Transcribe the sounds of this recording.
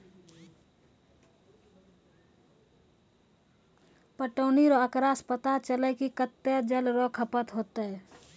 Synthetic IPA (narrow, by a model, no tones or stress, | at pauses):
pəʈəːniɾɔəkɾaspət̪at͡ʃəlɛkikət̪ːed͡ʒəlɾɔkʰəpət̪ɦoːt̪ɦɛ